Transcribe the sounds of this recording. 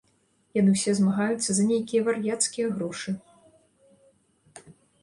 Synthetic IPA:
janɨwsʲɛzmaɣajut̪sːɐzɐnʲejkʲijɐvarjat̪skʲijɐɣɾɔʂɨ

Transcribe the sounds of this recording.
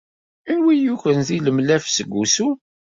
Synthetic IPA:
inwijuçənðiləmlæfsəɡʷːusu

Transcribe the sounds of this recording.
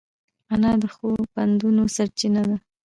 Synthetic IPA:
anɑd̪əxoband̪unosaɾt͡ʃinad̪a

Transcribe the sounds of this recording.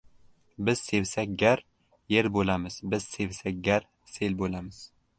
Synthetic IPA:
bɪz̥se̞vsak̚ʲɡʲaɾ | je̞ɾbolamɪz̥bɪz̥se̞vsak̚ʲɡʲaɾ | se̞lbolamɪz̥

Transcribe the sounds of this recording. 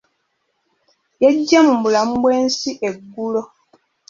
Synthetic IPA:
jeɟːemumbulam̩bweːnsiʔeɡːulo

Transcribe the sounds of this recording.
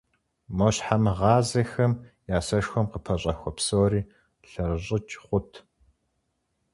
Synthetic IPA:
mɐɕħamɨʁɑːzɐxɐmjaːsɐʃxʷɔmqəpʰɐɕʼɐxʷɔpsoːɾiː | ɬɐrɨɕʼɪt͡ʃʰʼχʷʊtʰ

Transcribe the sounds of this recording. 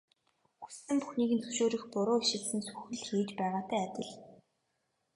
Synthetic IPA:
xu̥sɘ̆mpuxniːkɣɘ̆nt͡sʰɵ̥wʃoːɾĭxpʊɾʊːiʃɪ̆ɮsɘ̆nsu̥xɘ̆ɮxeːt͡ɕpæːʁaːt̪æːæt̪ʲɪ̆ɮ

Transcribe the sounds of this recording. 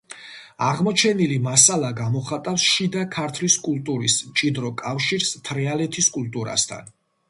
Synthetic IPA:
aʁmɔt͡ʃʰɛnilimasalˠaɡamɔχat̪ʼafsʃid̪akʰaɾt̪ʰliskʼult̪ʼuɾismt͡ʃʼid̪ɾɔkʼafʃiɾst̪ʰɾɛalɛt̪ʰiskʼult̪ʼuɾa̰st̪ʰa̰n

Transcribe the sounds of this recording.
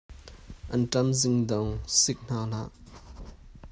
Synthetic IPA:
ʔɐntɐmzɪŋdɔŋsɪk̚n̥aːl̥a̰ʔ

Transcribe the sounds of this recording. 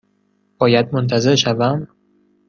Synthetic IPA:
b̥ɒːjæd̪̚mont̪ʰæze̞ɾʃævæm

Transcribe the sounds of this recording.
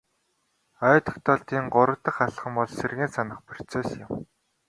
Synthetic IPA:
œːt̪ʰɔ̥kt̪ɔːɮt̪iːŋɢʊɾə̆kt̪ə̆χaɮχə̆mpɔɮserɣeːnsanə̆χpɵr̥t͡seːsjɪ̆m

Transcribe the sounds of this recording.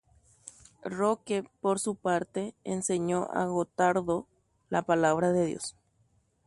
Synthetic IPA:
rokepoɾsupaɾt̪eenseɲoʔa̰ɣot̪aɾðo | lapalaβɾaðeðjo̰s

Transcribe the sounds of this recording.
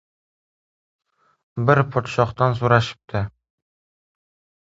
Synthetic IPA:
bɘɾpʰɒt̪ʃɑχt̪ɑnsuɾɑʃɘ̥p̚t̪ʰæ

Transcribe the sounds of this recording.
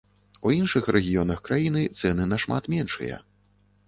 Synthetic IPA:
uinʂɨxɾɛɣʲijɔnɐxkɾajinɨt̪sɛnɨnɐʂma̰t̪mʲɛnʂɨ̰jɐ̰

